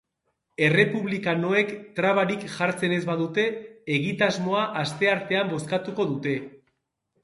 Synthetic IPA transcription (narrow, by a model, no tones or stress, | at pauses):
e̞re̞puβlikano̞e̞kt̪ɾaβaɾikʝaɾt͡se̞ne̞zβaðut̪e̞ːɣit̪azmo̞aʔast̪e̞aɾt̪e̞ambo̞skat̪uko̞ðut̪e̞